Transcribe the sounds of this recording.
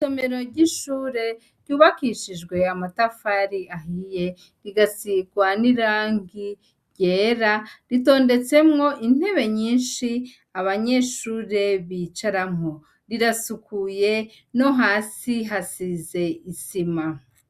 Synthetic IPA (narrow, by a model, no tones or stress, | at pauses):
some̞ɾo̞ɾɟiʃuːɾe̞ | ɾɟuːβakiʃid͡ʒɡwe̞amatafaɾiaɦije̞ | ɾiɡasiɡwaniɾaːŋɡi | ɟeːɾaɾito̞ːnde̞t͡se̞mŋo̞ʔin̥he̞βe̞ɲiːnʃi | aβaɲe̞ʃuːɾe̞βit͡ʃaɾamo | ɾiɾasukuje̞ | no̞ɦaːsiɦasize̞isima